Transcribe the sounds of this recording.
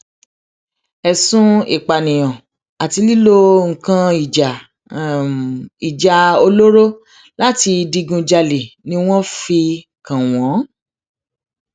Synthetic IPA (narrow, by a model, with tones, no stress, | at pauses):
ɛ˨sũ˦i˨k͡pa˨nĩ˨j̃ɔ̃˨ | a˨ti˧˦li˦lo˧ŋ̩˨kã˧i˨d͡ʒa˨ | i˨d͡ʒa˨o˧lo˦ɾo˦ | la˦ti˧di˧ɡũ˧d͡ʒa˧le˨nĩ˧˦w̃ɔ̃˦fi˧ | kã˨w̃ɔ̃˨˦